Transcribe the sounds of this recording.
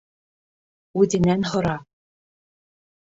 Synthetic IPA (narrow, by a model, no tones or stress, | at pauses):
ʉd̪ʲɘ̆nænɦŏɾɑ